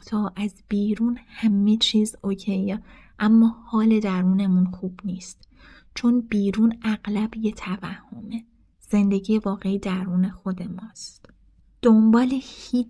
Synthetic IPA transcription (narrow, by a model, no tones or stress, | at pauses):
t̪ʰɒːʔæzbiːɾuːnhæme̞t͡ʃʰiːzocʰej | ʔæmːɒːhɒːle̞d̪æɾuːne̞munxuːb̥niːst̪ | t͡ʃʰo̞nb̥iːɾuːnæɣlæbjet̪ʰævæhːo̞me̞ | z̥e̞nd̪e̞ɟijevɒːɣe̞id̪æɾuːne̞xo̞d̪e̞mɒːst̪ | d̪̥o̞mbɒːle̞hiː